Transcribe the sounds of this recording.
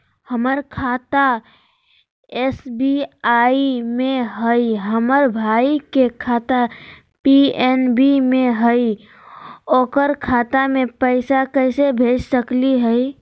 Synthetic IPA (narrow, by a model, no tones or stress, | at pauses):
həməɾkʰat̪a | esbiaimẽɦəiɦəməɾbʱaikekʰaːt̪a | pienbimẽɦəi | oːkəɾkʰat̪amẽpəɪsakəɪsebʱeːd͡ʒsəkliɦəi